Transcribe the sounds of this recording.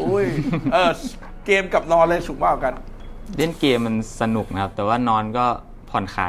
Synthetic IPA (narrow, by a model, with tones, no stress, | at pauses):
u˧˥˩jʔɤː˧˩ | keː˧mka˨˩p̚lɔː˧lɤː˧jsu˨˩˦ŋ̚baː˧˩wka˧nle˥˩˨nkeː˧mːa˧nsa˧nu˨˩k̚na˦˥kʰa˦˥p̚t̪ɛː˨˩waː˥˩nɔː˧˦˥nkɔː˥˩ | pʰɔ˨˩nxʰa̰ː˨˩˦